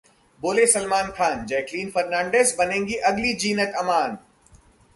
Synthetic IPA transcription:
boːlesɐlmaːnkʰaːnd͡ʒɛːkliːnfɐɾnãːɳɖeːzbɐnẽːŋɡiʔɐɡlid͡ʒiːnək̪ɐmaːn

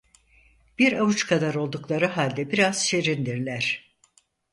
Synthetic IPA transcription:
b̥iɾavut͡ʃkʰad̪aɾo̞lˠd̪uklˠaɾɯɦalʲd̪ɛbiɾaz̥ʃeɾind̪iɾlʲæɾ̥

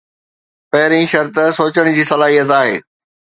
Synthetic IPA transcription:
pɐɦɪɾĩːʃɐɾt̪soːt͡ɕəɽ̃d͡ʑiːsɐlaːɦijət̪aːɦḛː

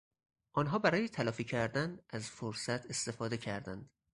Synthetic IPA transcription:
ʔɒːnɦɒːbæɾɒːjet̪ʰælɒːfiːcʰæɾd̪ænʔæzfoɾsæt̪ʰe̞st̪e̞fɒːd̪e̞cʰæɾd̪ænd̪̥

